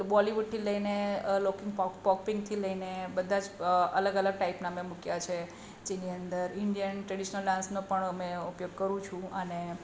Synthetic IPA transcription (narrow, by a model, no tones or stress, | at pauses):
bɔliʋuʈ̚t̪ʰiləinelokɪ̃ŋɡpɔpɔkpɪ̃ŋɡt̪ʰiləinebəd̪ʱãd͡ʒʔələɡələɡ̚ʈaipnamemukjat͡ʃʰe | d͡ʒeniənd̪əɾɪɳɖijənʈɾəɽiʃnəlɖãnsnopəɳəmeupjoɡ̚kəɾũt͡ʃʰũəne